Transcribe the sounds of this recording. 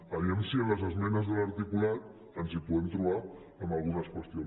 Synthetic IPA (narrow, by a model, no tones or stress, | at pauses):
əβiemsiənləzəzmɛnəzðələɾt̪ikulat̪̚ | ənzipuðɛmt̪ɾuβa | əmbəlˠɣ̞unəskwəst̪ion